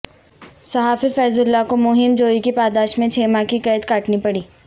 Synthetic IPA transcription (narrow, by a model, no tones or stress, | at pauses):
sɐɦaːfifɛːzʊlːakomʊɦɪmd͡ʒoːikipaːd̪aːʃmẽt͡ʃʰeːmãkikɐːd̪kaːʈnipɐɽiː